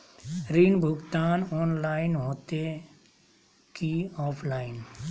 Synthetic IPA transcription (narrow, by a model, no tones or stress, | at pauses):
ɾinbʱʊɡt̪aːnɔːnlaːɪnɦoːt̪e | kiɔːpʰlaːɪn